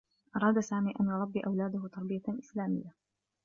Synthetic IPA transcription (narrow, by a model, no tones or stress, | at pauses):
ʔɑɾˤɑːd̪asaːmiːʔanjʊɾˤɑbːiːʔawlaːd̪ʊhʊt̪ɑɾˤbɪjaʔɪslaːmɪ̰jːa